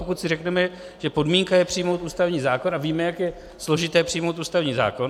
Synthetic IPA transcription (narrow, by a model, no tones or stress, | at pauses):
pokut̪sɪrɛknɛmɛ | ʒ̥ɛpo̞dmiːŋkajɛpr̝ɪjmowt̪uːst̪avɲiːzaːko̞naviːmɛjakjɛ | slo̞ʒɪt̪ɛːpr̥ɪijmowt̪uːst̪avɲiːza̰ːko̞n